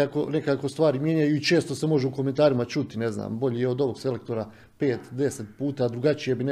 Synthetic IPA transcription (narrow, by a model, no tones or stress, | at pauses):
akone̞kaːko̞st̪ʋaːɾimje̞ɲajuit͡ʃe̞ːst̪ose̞mo̞ʒeuko̞me̞nt̪aːɾimat͡ʃut̪ine̞zna̰ːmbo̞ʎijeo̞d̪o̞ʋo̞ɡse̞lek̚t̪o̞ɾa | pe̞ːt̪d̪e̞set̪̚puːt̪aːd̪ɾuɡat͡ʃije̞bin